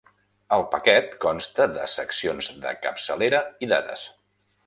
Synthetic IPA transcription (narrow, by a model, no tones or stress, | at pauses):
əlˠpəkɛt̪kɔnst̪əðə̰səksionzðə̰kəpsəleɾəiða̰ðə̰s